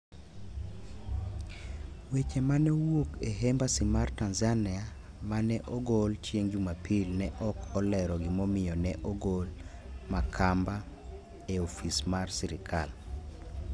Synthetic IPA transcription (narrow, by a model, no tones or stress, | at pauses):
wet͡ʃemanɛwokeɦembasimartanzanɪa | manɛʔɔɡɔlt͡ʃjeŋd͡ʒumapʰilnɛʔɔkʰɔlɛɾɔɡɪmɔmɪjɔnɛʔɔɡol | makʰamba | eofismarsiɾɪkʰa̰l